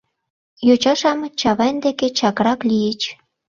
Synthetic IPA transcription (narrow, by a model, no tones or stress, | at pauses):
jot͡ɕɑʃɑmt͡ɕɑβɑnd̪eket͡ɕɑkɾɑklijet͡ɕ